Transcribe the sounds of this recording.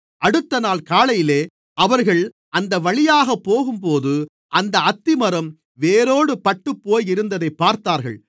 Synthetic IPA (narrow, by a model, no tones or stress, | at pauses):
ʔɐɽɯt̪ːɐnaːlkaːlɐjɪleː | ʔɐʋɐɾɣɐɭ | ɐnd̪ɐʋɐɭɪjaːɣɐpːoːɣɯmpoːðɯ | ʔɐnd̪ɐɐt̪ːɪmɐɾɐm | ʋeːɾoːɽɯpɐʈːɯpːoːjɪɾɯnd̪ɐðɐɪpːaːɾt̪aːɾɣɐ̰ɭ